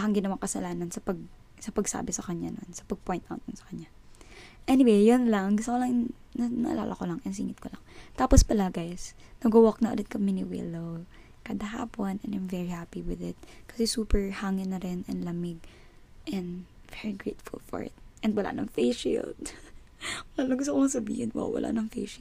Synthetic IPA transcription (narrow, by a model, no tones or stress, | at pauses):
aɐŋɡɪnɐwaŋkɐsɐlaːnɐnsɐpɐɡ̚ | sɐpɐɡsa̰ːbɪsɐkɐɲano̰nsɐ̥pɐɡ̚pjnt̪ʔa̰wt̪̚nʊnsɐ̥kɐɲa | ʔɛnɪwejjonlɐŋɡʊst̪ɐkolɐŋn | nɐnɐʔɐ̰la̰ːlʔɐkolɐŋʔɛns̬iːŋɪt̪̚kolɐ̰ŋt̪aːpospɐlaɡajs | nɐɡowok̚nɐʔo̰lɪt̪̚kɐmɪnɪwɪ̰low | kɐd̪ɐɦa̰ːponɛnajmvɛɹihaːpiwɪðɪt̪̚kɐsɛsuːpɛɹhaŋɪnɐɾɛnɛnlɐmɪɡ | ʔɛ̃nd̪ | vɛɹiɡɹejt̪fʊ̰lfɔ̰ɹɪ̰t̪̚ʔɛnwɐla̰ʔnɐŋfejʃḭlt̪̚ | wɐlalɐŋɡʊst̪okoŋsɐbḭhɪnw̰wɐ̰lʔa̰nɐŋfḛjʃi